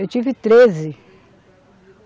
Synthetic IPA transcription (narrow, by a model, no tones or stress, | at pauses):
ewt͡ʃivɪt̪ɾezɪ